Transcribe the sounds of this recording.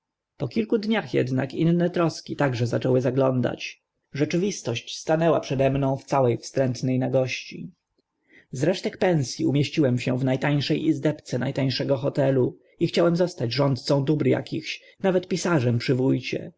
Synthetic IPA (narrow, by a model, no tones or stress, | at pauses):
pɔkʲilkud̪ɲaxjɛ̰d̪na̰kinnːɛt̪ɾɔskʲit̪aɡʐɛzat͡ʂɛwɘzaɡlɔnd̪a̰t͡ɕ | ʐɛt͡ʂɘvʲist̪ɔɕt͡ɕst̪anɛwa̰pʂɛd̪ɛmnɔ̃w̃ft̪sawɛjfst̪ɾɛnt̪nɛjnaɡɔɕt͡ɕḭ | zɾɛʂt̪ɛkpɛnsʲjiumʲjeɕt͡ɕiwɛmɕɛvnajt̪aɲ̃ʂɛjʔizd̪ɛpt̪sɛnajt̪aɲ̃ʂɛɡɔxɔt̪ɛlu | ixt͡ɕawɛmzɔst̪ad͡ʑʐɔnt̪̚t̪sɔ̃w̃d̪ubɾja̰kʲixɕ | navɛt̪pʲisaʐɛmpʂɘvujt͡ɕɛ̰